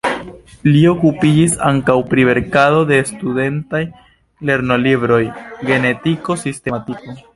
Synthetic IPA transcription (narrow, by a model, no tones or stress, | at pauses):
lio̞kupid͡ʒisaŋkawpɾiβe̞ɾkado̞de̞stude̞ntaj | le̞ɾno̞libɾo̞jɡe̞ne̞tiko̞siste̞matiko